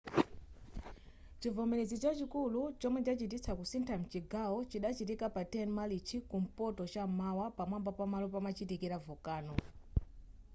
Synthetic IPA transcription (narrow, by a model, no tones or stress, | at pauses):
t͡ʃivɔmɛɾɛzit͡ʃat͡ʃikulut͡ʃɔmwɛt͡ʃat͡ʃit̬it͡sakusintʰam̩t͡ʃiɡaɔt͡ʃiɗat͡ʃitikapatɛnmalit͡ʃʰikum̩pɔtɔt͡ʃamawapamambapamalɔpamat͡ʃitikiɾavukaːnɔ